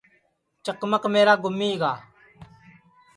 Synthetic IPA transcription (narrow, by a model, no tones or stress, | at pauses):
t͡ʃəkməkmeːɾaːɡʊmːiːɡaː